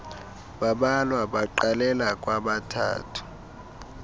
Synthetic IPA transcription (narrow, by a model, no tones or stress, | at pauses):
ɓaɓalwaɓaǃalɛlak̬ʼwaɓatʰa̰ːtʰu̥